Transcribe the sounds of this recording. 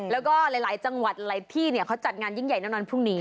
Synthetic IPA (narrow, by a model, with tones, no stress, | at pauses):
lɛː˦˥wkɔː˥˩la˨˦jlaː˩˦jt͡ɕa˧ŋwa˨˩t̪̚laː˨˦jt̪ʰiː˥˩ni˥˩ɐ˩kʰa˦˥wt͡ɕa˨˩t̪̚ŋaː˧nji˥˩ŋja˨˩jnɛː˦˥˩nɔː˧npʰu˥˩ŋniː˦˥